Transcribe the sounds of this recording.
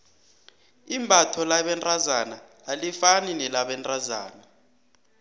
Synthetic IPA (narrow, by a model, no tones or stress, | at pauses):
imbʱatʰɔlaɓɛntʼazanaː | lifaninɛlaɓɛntʼaza̰ːna